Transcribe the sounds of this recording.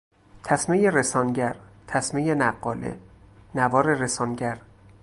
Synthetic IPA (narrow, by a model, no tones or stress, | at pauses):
t̪ʰæsmejeɾesɒːnɟæɾt̪ʰæsmejenæɢːɒːlḛnævɒːɾeɾesɒːnɟæɾ